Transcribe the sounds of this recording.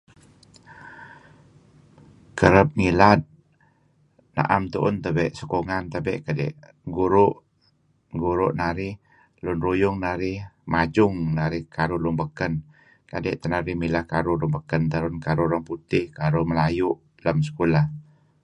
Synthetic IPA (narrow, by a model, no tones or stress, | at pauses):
kəɾəp̚ŋilat̪̚ | na̰ʔamt̪uʔʊnt̪əbɛʔsəkoŋant̪əbɛ̰ʔkadɛ̰ʔ | ɡuɾʊʔ | ɡuɾʊʔnaɾɪh | lʊnrujʊŋnaɾɪhmad͡ʒʊŋnaɾɪhkʰaɾulʊnbəkən | ka̰dɛ̰ʔt̪ənaɾihmilahkaɾulʊnbəkənt̪əɾʊnkaɾuɾaŋput̪ɪhkaɾuməlajuʔ | ləmsə̥kulah